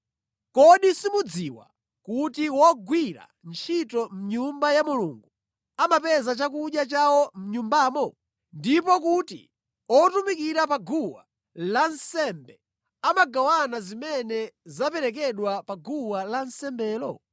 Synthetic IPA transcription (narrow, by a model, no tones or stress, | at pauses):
kɔɗisimud͡ziwa̰ | kutiwɔɡwiɾa̰nt͡ʃʰitɔm̩ɲumbajamuluŋɡu | amapɛzat͡ʃak̬uɗjat͡ʃawɔm̩ɲumbaːmɔ | ndipɔkutḭ | ɔtumikiɾapaɡuwa̰ | lansɛmbɛ | amaɡawanazimɛnɛzapɛɾɛk̬ɛɗwapaɡuwalansɛmbɛːlɔ